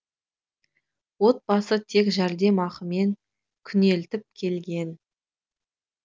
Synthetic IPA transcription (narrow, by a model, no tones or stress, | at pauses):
wo̞t̪̚bɑsət̪ʰe̞kʒæɾd̪e̞mɑqəme̞ŋ | kʲʰʏne̞lt̪ɪp̚kʲʰe̞lɡʲe̞n